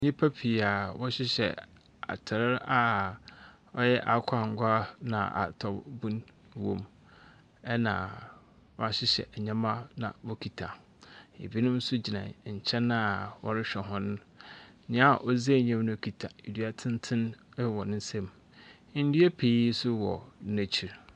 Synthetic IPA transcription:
ɲɪ̃˦pʰa˦pʰi˨a˨wɔ˦ɕɪ˦ɕɛ̰˨ | a̰˨tʰɪ˨ɾɪ˦ɾa˦ | ɔ˦jɛ˦ʔa˨kʷʰa˨ŋ̩˨ɡʊ˦a˦nã̰˨ʔa̰˨tʰɔ˨bbũ˦n | wõ̰˨m | ɛ˦nã˨ | wɔ˦a˦ɕɪ˦ɕɛ̰˨ʔɲã˦mã˦nã̰˨wɔ˦kʰi˨tʰa˨ | ḛ˨bi˦nʊ̃˦m̩˦sʊ˦d͡ʑi˨nã̰˨ɲ̩˨t͡ɕʰɛ̃˦nã˦˨wɔ̰˦ɾɪ˦ɕᶣɛ˨ɦɔ̃˦nʊ̃˦ | ɲã˦˨ʔɔ˦ze˦˨ɲã˦mnʊ̃˦˨kʰi˨tʰa˨i˨di˨a˨tʰɪ̃˦n˦tʰɪ̃˦n˦wɔ˨nɪ̃˦n˦sɛ̃˦m˦ | n̩˦di˦e˦pʰe˨i˦sʊ˦wɔ˨˦næ̃˨t͡ɕʰi˨ɾ

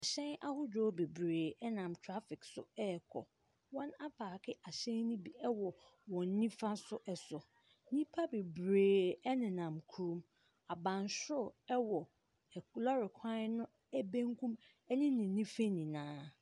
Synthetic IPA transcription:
a˨ɕɛ̃˦na˦hʊ˦d͡ʑɔ˦be˨bɾeː˨ɛ˦nã˨mtʰɾa˦fɪ˨ksʊ̰˨ɛ˦˨kʰɔ̰˨ | wɔ̃˦na˦pʰaː˨kʰɪ˦ʔa˨ɕɛ̃˦nĩ˦bi˨ɛ˦wɔ˨ | wɔ̃˨n˦nĩ˦fã˦sʊ˦ʔɛ˨sʊ˨˦ | nĩ˦pʰa˦be˨bɾeː˨ɛ˦nɪ̃˨nã˨mkʰu˦ɾũ˦m | a˨bã˨nsʊ˦˨ɛ˦wɔ˨ | lɔ˦ɾɪ˨kʰã˦nʊ̃˦ | æ˦bẽ˦ŋkũ˦m | ɛ˦ɲɪ̃˦nɪ̃˨nːĩ˦fe˦nĩ˨nãː˨˦

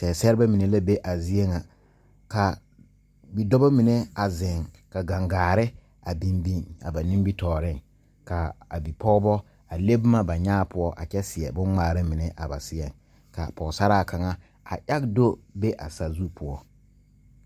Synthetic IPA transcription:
sɛ˨sɛ˦ɾɪ˦ba˦mi˨ne˨la˦be˦ʔa˨zi˦ɛ˦ŋa˨ | ka˨ | bi˨dɔ˦ba˦mi˨ne˦a˨zɪ˨ŋ | ka˨ɡa˨ŋɡaː˨ɾɪ˦ | a˨bĩ˦mbi˦ŋa̰˨ba˨nɪ̃˦mbi˦tɔː˨ɾɪ˦˨ŋ | ka˨a̰˨bi˨pɔ˦ɣbɔ˦ | a˨le˦bma˦ba˨ɲaː˦pʊ˦ɔ˦ʔa̰˨t͡ʃɛ˦sɪ˨ɛ˨bʊ̃˦ŋŋ͡maː˨ɾɪ˦mɪ˨ne˦ʔa˨ba̰˨sɪ˦ɛ˨ŋ | ka̰˨pɔ˨sa˦ɾaː˦˨ka˨ŋa˦ | a̰˨ʔa˦ɡdo˦be˦ʔa̰˨sa˨zu˦pʰʊ˨ɔ˦

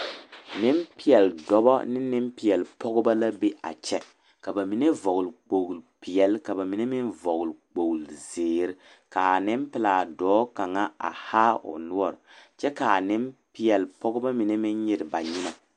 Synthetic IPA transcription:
nɪ˦mpɪ˦jɛ˨ldɔ˦bɔ̰˦nɪ˦nɪ˦mpi˨jɛ˨lpɔ˦ɣʊ˦ba˦la˦be˦ʔa̰˨t͡ʃɛ˦ | ka˨ba˨mi˨ne˦vɔ˨ɣʊ˨lk͡po˨ɡlpi˨ɛ˨lka˨ba˨mi˨˦ne˦mɪ˦nvɔ˨ɣʊ˨lk͡po˨ɡlzeː˨ɾɪ˦ | ka˨nɪ˦mpɪ˦laː˨dɔː˦ka˨ŋa˦a̰˨haː˦ʊ̰˨nʊ˦ɔ˨ɾt͡ʃɛ˦ka˨nɪ˦mpi˦jɛ˨lpɔ˦ɡʊ˦ba˦mi˨ne˦mɪ˦nɲɪ˦ɾɪ˨ba˨ɲɪ˦na˨

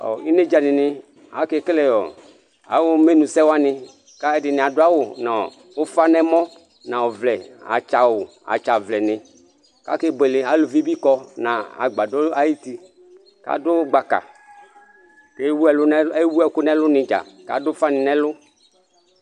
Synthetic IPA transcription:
ɔ̰˨i˦ne˦d͡ʒa˨nɪ˨nɪ˧ | a̰˨˦ke˦klɛ˨jɔ̰˨ | a̰˨˦wʊ˦me˦nũ˨sɛ˦wa˦nɪ˧ | ka˦ɛ˦dɪ˨nɪ˨a˨dʊ˦a˦wʊ˨na˨ | ʊ˦fa˦nɛ˦mɔ˦ | nã˨ɔ˨vlɛ˨a̰˨t͡ʃa˨wʊ˨ | a̰˨t͡ʃa˨vlɛ˨nɪ˨ | ka̰˦ke˦bɛ˨lɪ˨a˨˦lʊ˨vi˦bi˦kɔ˧nã˨a̰˨ɡ͡ba˨dɔ˦a˦ji˦ti˦ | ka̰˦dʊ˦ɡ͡ba˨ka̰˨ | ke˦wu˦ɛ˨lʊ˦n˦e˦wu˦ɛ˦˨˦kʊ˦nɛ˦lʊ˦nɪ̃˨d͡ʒa̰˨ka̰˨˦dʊ˦fa˦nɪ˨nɛ˦lʊ˦

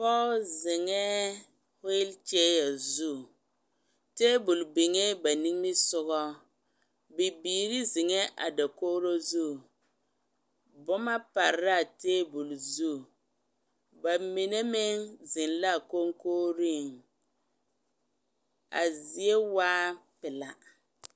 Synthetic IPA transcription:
pɔ˦lzɪ˨ŋɛ˦ | he˦lt͡ʃe˦ja˨zu˦˨ | teː˦bu˨lbɪ˨ŋe˦ba˨ni˦ŋ˦mɪ˦sʊ˦ɣɔ˦ | bɪ˨biː˨ɾi˦zɪ˨ŋɛ˦ʔa̰˨da˨koː˦ɾo˦zu˦˨ | bʊ˦ma˦pa˨ɾa˦˨teː˦bu˨lzu˦˨ | ba˨mi˨ne˦mɪ˦ŋzɪ˨nla˦˨ko˦ŋkoː˦ɾi˦˨ŋ | a̰˨zi˨e˦waː˦pɪ˨la˦

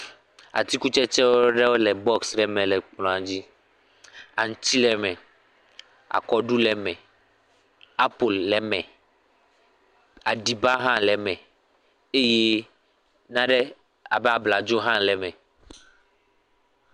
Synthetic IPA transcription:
a̰˨t̪i˦ku˦t͡ʃɛ˦t͡ʃɛ˦wo˦ɖɛ˦wo˦lɛ˨bɔ˦ksɖɛ˦mɛ̃˨lɛ˨k͡plɔ̃˨a˨d͡ʑi˦ | a˨ŋũ˨t͡ɕi˦lɛ˨mɛ̃˨ | a̰˨kɔ˨ɖu˦lɛ˨mɛ̃˨ | a˦po˨lːɛ˨mɛ̃˨ | a˨ɖi˨ba˦ɦã˦lɛ˨mɛ̃˨ | e˦je˦ | nã˦ɖɛ˦ | a̰˨bɛ˦a˨bla˨d͡ʒo˦ɦã˦nlɛ˨mɛ̃˨

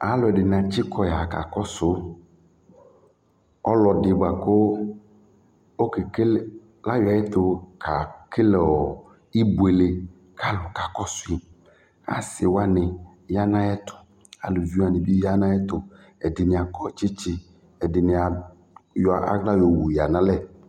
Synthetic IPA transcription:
a˨˦lʊ˨ɛ˨dɪ˨nɪ˨a˨t͡ʃɪ˦kʰɔ˦ja˨ka̰˨kɔ˦sʊ˨˦ | ɔ̰˦lɔ˨dɪ˨ba˨kʊ˦ | o˦kɪ˨ke˦l | la˦ja˨˦ɛ˦tʊ˨kʰa˨kɪ˦lɛ˨ɔ˨ | i˦bu˨e˨le˨ | kʰa˦lʊ˨ka˨kɔ˦sʊ˦i˨ | a̰˨sɪ˨wa˦nɪ˨ | ja˦nã˦ɛ˦tʰʊ̥˨ | a̰˨lʊ˨vi˦a˨nɪ˨bi˦ja˦nã˦ɛ˦tʊ˨ | ɛ˨dɪ˨nɪ˨a˨kɔ˦t͡ʃɪ˦t͡ʃɪ˦ | ɛ˨dɪ˨nɪ˨a˨ | jɔ˨a̰˦ɡla˦jo˨wu˨ja˨nã˦lɛ˦˨

